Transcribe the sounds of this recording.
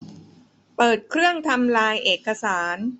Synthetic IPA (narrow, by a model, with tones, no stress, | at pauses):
pɤː˨˩t̪̚kʰɾɯ˥˩əŋt̪ʰa˧mlaː˧jʔeː˨˩kːa˧saː˩˦n